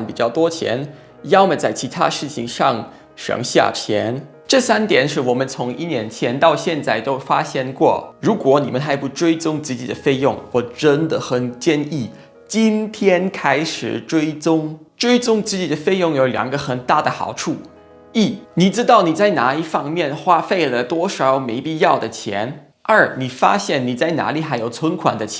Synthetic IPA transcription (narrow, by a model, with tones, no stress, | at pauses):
npi˨˩t͡ɕjɑ˥˩ʊt̪wɔ˥t͡ɕʰjɛ̰˧˥n | jɑ˥ʊmə˨˩t͡sa˥˩ɪt͡ɕʰi˧˥t̪ʰa̰˥ʂɻ̩˥˩t͡ɕʰḭ˨ŋʂɑ̰˥˩ŋ | ʂɤ̰˧˥ŋɕja̰˥˩t͡ɕʰjɛ̰˧˥n | ʈ͡ʂɤ˥˩sa˥nt̪jɛ˨˩˦nʂ̬ɻ̩˥˩wɔ˨˩mə˧˦nt͡sʰʊ˧˥ŋi˥˧njɛ˧˥nt͡ɕʰjɛ˧˥nt̪ɑ˥˧ʊɕjɛ˥˧nt͡sa˥˩ɪt̪o˥ʊfa˥ɕjɛ˥nkwɔ̰˥˩ɻu˧˥kwɔ˧˥nḭ˨˩mə˦nxa˧˥ɪpu˥˩ʈ͡ʂwe˥ɪt͡sʊ˥ŋt͡sɹ̩˥˧t͡ɕi˨˩d̪ə˦fe˥˧ɪjʊ̰˥˩ŋwɔ˨˧˩ʈ͡ʂə˥nd̪ə˨xə˨˩nt͡ɕjɛ˥˧ni˥˩ | t͡ɕi˥nt̪ʰjɛ˥nkʰa˥ɪʂɻ̩˨˩ʈ͡ʂwe˥ɪt͡sʊ˥ŋ | ʈ͡ʂwe˥ɪt͡sʊ˥ŋt͡sɹ̩˥˩t͡ɕi˨˩d̪ə˦fe˥˧ɪjʊ˥˩ŋjo˧˥ʊljɑ̰˨˩ŋɡə˧xə˨˩nt̪a˥˩d̪ə˩xɑ̰˨˩ʊʈ͡ʂʰu˥˩ | i˥˩ni˨˩ʈ͡ʂɻ̩˥t̪ɑ˥˩ʊni˨˩t͡sa˥˩ɪna˧˥i˥˩fɑ˥˧ŋmjɛ˥˩nxwa˥fe˥˩ɪlə˩t̪wɔ˥ʂɑ˧˩˥ʊme˧˥ɪpi˥˧jɑ˥˩ʊd̪ə˩t͡ɕʰjɛ̰˧˥n | ə˞˥˩ni˨˩fa̰˥ɕjɛ˥˩nni˨˩t͡sa˥˩ɪna̰˧˥li˨˩xa˧˥ɪjo˨˩ʊt͡sʰwə˥nkʰwa̰˨˩nd̪ə˦t͡ɕʰ